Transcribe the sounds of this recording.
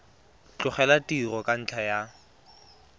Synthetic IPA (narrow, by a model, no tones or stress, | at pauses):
t͡ɬʼʊχɛlatʼirɔkʼan̩t͡ɬʰaja